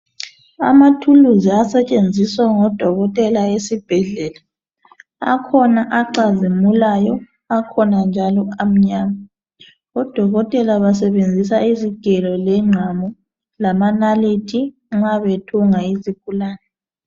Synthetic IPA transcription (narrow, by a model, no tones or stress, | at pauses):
a̰matʰuluziasɛt͡ʃʼend͡zʱiswaŋɔd̥ʱɔɣɔtʼɛlaesib̥ʱɛɮɛla | a̰kʰɔnaʔaǃazimulajɔ | akʰɔnand͡ʒʱalɔam̩ɲaːma | ɔd̥ʱɔɣɔtʼɛlaβas̬ɛβend͡zʱisaiziɡ̥ʱɛlɔlɛŋ͡ǁʱamɔ | lamanalitʰi | ŋ͡ǁaβetʰuŋaizikʰʼulaːnɛ